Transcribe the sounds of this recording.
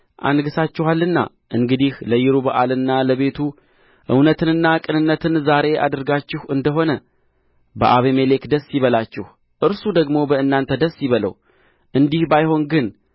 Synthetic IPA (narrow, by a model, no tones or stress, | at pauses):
ʔa̰nɡɨsat͡ʃːɪhalːɨnːa̰ | ʔɨŋɡɨd̪ihləjɪɾubəʔalɨnːaləβe̞t̪ʰu | ʔɨ̰wnət̪ɨnɨnːakʼɨnɨnːət̪ʰɨnzaɾe̞ʔa̰d̪ɨɾɡat͡ʃːɪhɨnd̪əɦo̞nə | bə̰ʔaβeme̞le̞kd̪əsːɪβəlat͡ʃːɪh | ʔɨɾsud̪əɡmo̞bəɨnːant̪ʰəd̪əsːɪβələ̰w | ʔɨnd̪ihbajho̞nɡɨn